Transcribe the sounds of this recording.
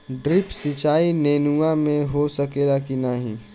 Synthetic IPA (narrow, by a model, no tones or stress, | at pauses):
ɖɾɪpsit͡ʃaːineːnuamẽɦosɐkeːlakinaɦḭ̃ː